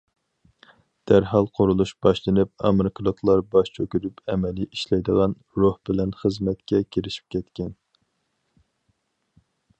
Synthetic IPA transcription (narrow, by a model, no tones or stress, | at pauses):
d̪̥æɾɦɑlˠqʰoɾulˠuʃb̥ɑʃlˠɨnɨp̚ɑ̰mɨɾɨkʰɨlˠəklˠɑɾbɑʃt͡ʃʰøkʲyɾypɛmɛliʔiʃlɛjd̪əʁɑn | ɾuhbɪlɛnχəzmɛt̪kʲɛkʲʰeɾɪʃi̥p̚kʲʰɛt̪kʲɛn